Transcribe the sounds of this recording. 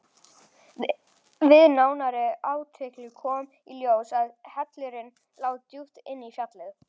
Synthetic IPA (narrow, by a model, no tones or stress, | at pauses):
vɪðnaːwnaɾɪaːwt̪ʰɪklɪkʰɔːm | iljoːwsaðhɛt̪lɪɾɪn | laːwðt̪juht̪ɪnːifjat̪lɪɣ